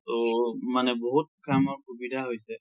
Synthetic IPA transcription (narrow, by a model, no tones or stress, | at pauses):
tɔmanɛbɔɦut̚kamɔɹkubidʱaɦojsɛ